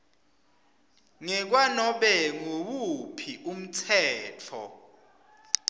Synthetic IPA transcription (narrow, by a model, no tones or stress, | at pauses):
ŋɛk̬wanɔɓɛŋowupʰiʔum̩tʰɛːtʰɔ̰